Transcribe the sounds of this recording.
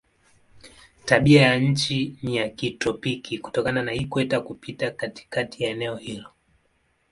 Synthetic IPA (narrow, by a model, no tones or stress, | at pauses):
taɓiajaɲ̩t͡ʃinijakitɔpikʰiku̥tɔkananahikwɛtakupitakati̥katijaɛnɛɔhilɔ